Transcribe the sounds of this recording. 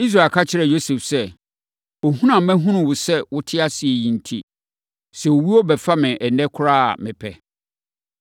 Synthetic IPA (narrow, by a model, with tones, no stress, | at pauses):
i˦s̬ɾaː˨kʰa˦t͡ɕʰɪ˦ɾɛ˨jo˦sɛ˨fsɛ˦ | o˨ɦũ˦nã˨mɛ̃˦ɦʊ̃˦nʊ̃˨wʊ˨sɛ˦wʊ˦tʰɪ˦a˦sɪ˨ɛ˨jĩ˨n˨tʰḭ˦ | sɛ˨o˨wi˦ɔ˦bɛ˨fa˦mɪ̃˨ʔɛ˨nɛ̃˦kʰʊ˦ɾaː˦a̰˨mɪ̃˨pʰɛ˨